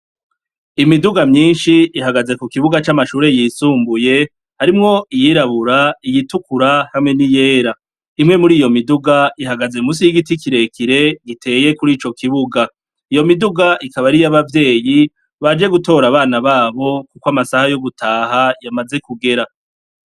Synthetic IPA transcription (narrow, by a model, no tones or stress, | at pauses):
imiduɡamɲiːnʃiːɦaɡaze̞kukiβuɡat͡ʃamaʃuːɾe̞jisuːmbuje̞ | haɾimŋo̞ijiɾaβuɾaijitukuɾahamŋe̞nije̞ːɾa | imŋe̞muɾiːjo̞miduɡaihaɡazemus̬ijiɡitikiɾe̞kiɾe̞ɡitʰe̞je̞kuɾiːt͡ʃo̞kʰiβuɡa | ijo̞miduɡaʔikaβaɾijaβavje̞ːji | βad͡ʒe̞ɡuto̞ːɾaβaːnaβaːβo̞kukwamasahajo̞ɡutʰaːɦajamaze̞kuɡe̞ɾa